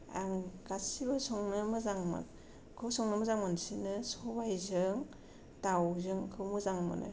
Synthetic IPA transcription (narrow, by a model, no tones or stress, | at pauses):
aŋɡasibɯsɔŋnɯmɯzaŋmɯ̰n | kʰɯsɔŋnɯmɯzaŋmansinɯsɔbajzɯŋ | tawzɯŋkʰɯwmɯzaŋmɯ̰nɯ̰